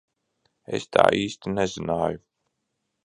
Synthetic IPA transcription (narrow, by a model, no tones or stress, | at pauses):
ḛst̪ʰa̰ːʔiːst̪inɛzinaːju